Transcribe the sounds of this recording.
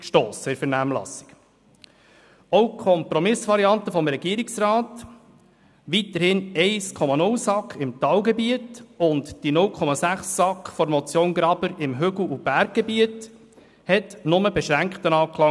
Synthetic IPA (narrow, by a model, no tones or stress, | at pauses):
ʃtoːsɪɾfɛɾnæːmlɑ̰sɪ̥k | owkʰɔmpɾɔmɪsʋɑɾiɑntəfɔmɾɛɡiːəɾɪksrɑːt | ʋit̪əɾhɪnɛɪskʰɔmɑnʊlsɑkχɪmt̪ɑwɡɛbiətʊntd̥inʊlkʰɔmɑsæχsːɑkχfɔɾmɔt͡sjoːnɡɾɑbəɾɪmɦʏɡl̩ub̥æɾɡ̚ɡ̥ebiət | hɛtnʊməbɛʃɾæŋkχtənɑːkʰlɑ